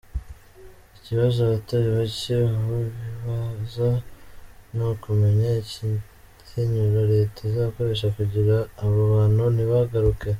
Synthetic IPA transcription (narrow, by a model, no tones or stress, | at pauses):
iciβazoaβataɾiβaciuβiβaza | nukume̞ɲaci | ciɲuɾaɾe̞ːtazaβko̞ɾe̞ːʃ̬akuɟiɾaːβaβaːn̥huniβaɡaɾuke